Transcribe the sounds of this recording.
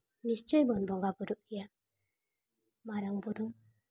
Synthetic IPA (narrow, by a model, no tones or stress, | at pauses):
nist͡ʃejbɔnbɔŋɡabuduʔija | maɾaŋbuduŋ